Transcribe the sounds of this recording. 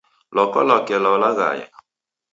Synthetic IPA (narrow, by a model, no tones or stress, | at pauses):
lɔkɔ̰lɔkɛlɔlaɣa̰jɛ̰